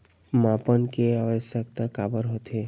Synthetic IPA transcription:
mãpənkeaʋəsjək̚t̪akabəɾɦot̪e

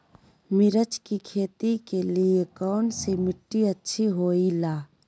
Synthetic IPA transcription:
mɪɾət͡ʃkikʰeːt̪ikeliekɔːnsimɪʈːiətːʃʰiɦoːilaː

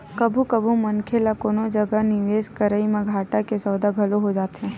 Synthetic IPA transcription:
kɐbʱũkɐbʱũmɐnkʰelakoːnod͡ʒɐɡənɪʋeːskəɾəimẽɡʱaːʈakesɐːd̪aɡʱɐloɦod͡ʒaːt̪ɦɛ̃ː

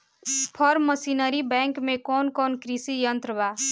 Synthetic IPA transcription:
pʰʌɾməsinəɾibɛŋkmekɔnkɔnkɾisijʌnt̪ɾəba

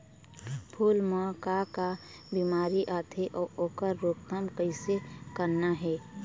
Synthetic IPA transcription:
pʰuːlmaːkaka | biːmaːɾiʔaːt̪ʰeʔɔːʔoːkəɾːoːkt̪əmkəɪsekəɾnaɦɛː

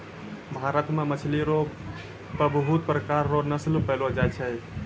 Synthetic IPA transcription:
bʱaɾət̪memət͡ʃʰliɾo | pəbɦut̪pɾəkaɾːonəslpəlod͡ʒajt͡ʃʰɛ

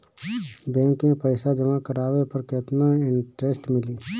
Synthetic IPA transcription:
bɛ̃ːŋkmẽpəɪsad͡ʒɐmakəɾaːʋepɐɾkɪt̪naɪɳʈɾeːsʈmɪliː

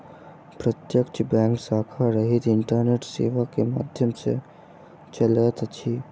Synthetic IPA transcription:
pɾət̪jəkt͡ʃbɛ̃ːŋksaːkʰaɾəɦit̪ɪɳʈəɾneːʈsḛːʋakema̰ːd̪ʱjəmsḛ | t͡ʃələt̪t͡ʃʰiː

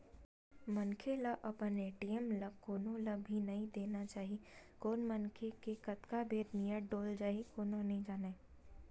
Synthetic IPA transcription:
mɐnkʰelaʔɐpəneːʈijəmlɐkoːnõlɐbʱinɐɦĩd̪eːnat͡ʃaːɦi | koːnmɐnkʰekekɐt̪kabʱeːɾnijəɖoːld͡ʒaːɦikoːnõnɐɦĩd͡ʒaːneː

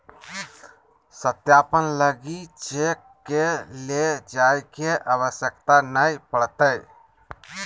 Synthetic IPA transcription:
sət̪japənləɡit͡ʃekːeled͡ʒajkeʔəʋəsjəkt̪anəipəɽt̪əj

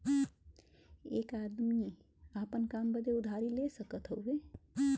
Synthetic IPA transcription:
ekad̪mi | apənkambəd̪eud̪ʱaɾilesəkət̪ɦowbe

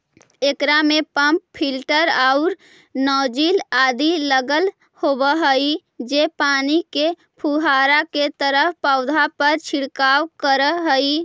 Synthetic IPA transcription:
ekɾamepəmppʰːilʈəɾaʊɾ | nɔːd͡ʒilad̪iləɡəl | hobəɦəi | d͡ʒepaːnike | pʰuɦaɾaket̪əɾəpaʊd̪ʱapəɾt͡ʃʰiɽkawkəɾəɦəi

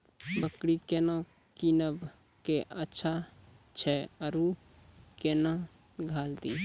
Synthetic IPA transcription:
bəkɽikeːnã | kinəb | keʔətːʃʰat͡ʃʰɛəɾu | kena | ɡʱaːld̪iː

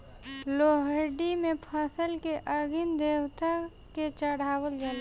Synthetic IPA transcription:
loɦəɖimẽpʰəsəlkeʔəɡind̪eːwt̪a | ket͡ʃəɽ̤aːwəld͡ʒale

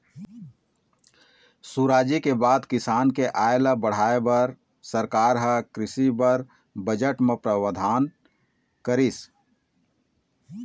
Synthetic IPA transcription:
suɾaːd͡ʒikebaːd̪kɪsaːnkeʔaːelabəɽ̤aːebəɾ | səɾkaːɾɦəkɾɪsibəɾ | bəd͡ʒəʈmẽpɾəwəd̪ʱaːn | kəɾis

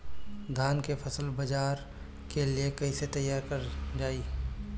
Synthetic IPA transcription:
ɡʱaːnkepʰɐsəlbɐd͡ʒaːɾ | keliekɐɪset̪ɐjːaːɾkɐɾd͡ʒaːiː

